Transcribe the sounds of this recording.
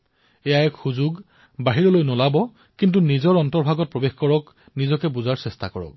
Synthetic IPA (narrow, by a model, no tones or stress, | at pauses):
ɛjaɛkxuzʊɡ | baɦiɹɔlojnɔlabɔ | kintunizɔɹɔntɔɹbʱaɡɔt̚pɹɔbexkɔɹɔk | nizɔkɛbuzaɹsɛstakɔɹɔ̰k̚